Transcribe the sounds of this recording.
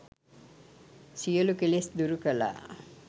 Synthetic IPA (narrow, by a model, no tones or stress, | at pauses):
sijəlukelesd̪uɾukɐla̰ː